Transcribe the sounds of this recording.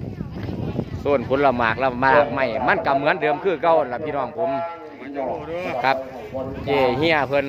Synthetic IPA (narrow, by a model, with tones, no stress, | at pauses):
suː˧˩npʰo˧˦nla˧˩maː˨˩k̚la˧˩wmaː˧˩k̚ma˧˩jma˧˥˨nka˧˥mɯ˧˥˨ndɤː˨˧ə˨mkʰɯː˧˩ka˧˩˨wnla˧˩pʰiː˧˨nɔː˧˩˨ŋpʰo˧˦m | kʰa˧˥p̚ | keː˧˩hi˧˥˨əpʰɤ˧˥˨n